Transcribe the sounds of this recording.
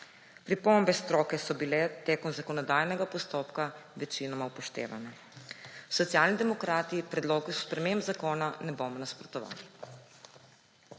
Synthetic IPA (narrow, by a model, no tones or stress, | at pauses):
pɾipɔmbɛst̪ɾɔːkɛsɔbilɛt̪eːkɔnzakɔnɔd̪aːjnɛɡapɔst̪oːpkaʋɛt͡ʃinɔmawpɔʃt̪ḛːʋa̰nɛ | sɔt̪sijaːlnid̪ɛmɔkɾaːt̪ipɾɛd̪loːɡuspɾɛmembzakoːnanɛboːmɔnaspɾɔt̪ɔʋa̰ːli